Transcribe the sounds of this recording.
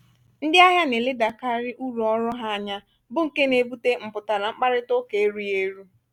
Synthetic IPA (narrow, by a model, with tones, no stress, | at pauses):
n̩˦dɪ˦a˦ɦja˦ne˨lɪ˦da˨ka˦ɾɪ˦ʔu˦ɾu˨ɔ˦ɾʊ˦ɦa˦a˦˨ɲa˦ | bʊ˦ŋ̩˨ke˦ne˨bu˦te˦ŋ͡m̩˨pʊ˨ta˨la˨ŋ͡m̩˦k͡pa˦ɾɪ˦to˦ke˨e˦ɾu˦je˦ɾu˦